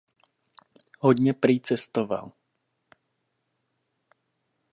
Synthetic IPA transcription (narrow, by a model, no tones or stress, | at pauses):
hɔd̪ɲɛpɾit͡sɛst̪ɔʋa̰l